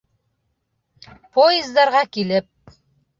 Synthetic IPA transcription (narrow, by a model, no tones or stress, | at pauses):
poɪzd̪ɑɾʁɑkilɘp̚